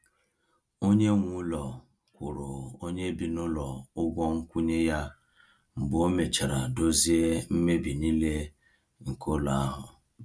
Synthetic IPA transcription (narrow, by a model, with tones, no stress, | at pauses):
o˦ɲe˦ŋʷu˦lɔ˨ | kʷʊ˨ɾʊ˨o˦ɲe˦bi˨nʊ˦lɔ˨ʊ˦ɡʷɔ˦ŋ̩˦kʷu˦ɲe˦ja˦ | m̩˨bo˦me˨t͡ʃa˨ɾa˨do˦zi˦e˦m̩˦me˦bi˨ni˦le˦ | ŋ̩˨ko˦la˨a˦ɦʊ˨